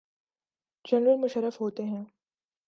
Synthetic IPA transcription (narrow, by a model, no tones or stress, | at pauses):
d͡ʒɛnɾəlmʊʃəɾːəfɦoːt̪eɦɛ̃ː